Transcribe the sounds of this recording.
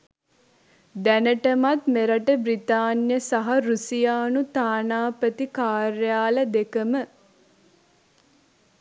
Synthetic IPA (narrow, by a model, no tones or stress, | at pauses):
d̪ænəʈəmat̪meɾəʈəbɾit̪aːnjəsaɦaɾusijaːnut̪aːnaːpət̪ikaːɾjaːləd̪ekəmə